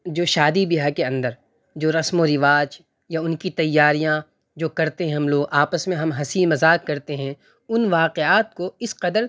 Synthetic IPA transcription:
d͡ʒoːʃaːd̪ibiɦakeɐ̃nd̪əɾ | d͡ʒoːɾɐsmoɾɪʋaːd͡ʒ | jaʊnkit̪ɐjːaːɾijã | d͡ʒoːkɐɾt̪eɦɛ̃ɦɐmloːɡaːpəsmẽɦɐmɦɐsimɐzaːkːɐɾt̪eɦɛ̃ | ʊnʋaːqeaːt̪̚koɪsqɐd̪əɾ

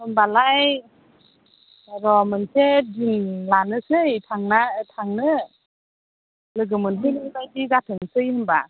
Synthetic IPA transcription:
hɯmbalaj | ɾɔmɯnsedinlanɯsɯjtʰaŋnatʰaŋnɯ | lɯɡɯmɯnɦɯnɯnlajdiɡatʰɯŋsɯjhɯmba

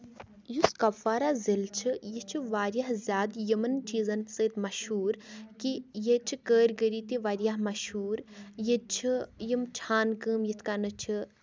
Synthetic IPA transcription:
juskɐbfaːɾazilt͡ʃʰijit͡ʃʰuʋaːɾʲjaɦzʲjaːd̪jimɐnt͡ʃiːzɐnsəːt̪mɐʃhuːɾkijet͡ʃʰikəːɾʲɡəɾiːt̪iʋaːɾjaɦmɐʃɦuːɾjet͡ʃʰijimt͡ʃʰaːnkəːmjit̪ʰkaːnɨt͡ʃʰi

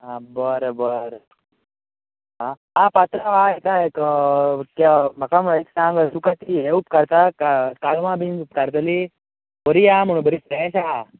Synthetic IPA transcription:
abəɾbəɾ | a | apat̪ɾaʋaek̪aek | kamɐkamɭeksãŋɡəsukat̪ieupkaɾt̪akakalmãbinɡup̚kaɾt̪əli | bəɾiam̤uɽ̃ũbəɾipɾeɕa

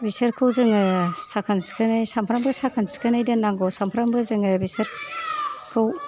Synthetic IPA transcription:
bisɯɾkʰɯwzɯŋɯsakʰanskʰɯnajsampʰɾambɯsakʰansi̥kʰɯnajdɯnaŋɡɔsampʰɾambɯzɯŋɯbiseɾ | kʰɯw

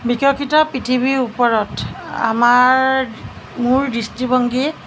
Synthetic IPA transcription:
bikʰɔkʰitɔpitʰibiupɔɹɔta̰maɹɹ | muɹdistibɔŋɡi

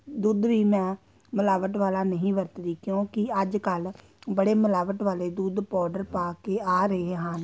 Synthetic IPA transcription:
d̪uːd̪ʋiːmɛ̃ː | məlaːʋəʈʋaːlaːnəɦĩːʋəɾt̪d̪iːkjõːkɪəd͡ʒkəl | bəɽeːməlaːʋəʈʋaːleːd̪uːd̪pɔːɖəɾpaːkeːaːɾəeːɦãːn

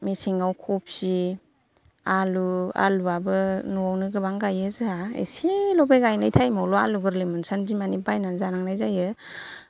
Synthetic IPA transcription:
misiŋɡawkʰɔp̚si | alua̰luabɯnuawnɯɡɯbaŋɡajɯzɯaḛsilɔbeɡajnajtʰajmalɔaluɡɯɾlɯmɯnsanzimanibajnanzaɾaŋnajzajɯ

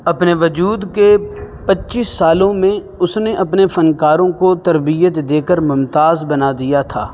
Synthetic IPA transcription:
ɐpneʋɐd͡ʒuːd̪kepɐtːʃiːsːaːlõmẽ | ʊsneʔɐpnefɐnkaːɾõkot̪ɐɾbijət̪d̪eːkəɾmʊmt̪aːzbɐnad̪ijat̪ʰa̰ː

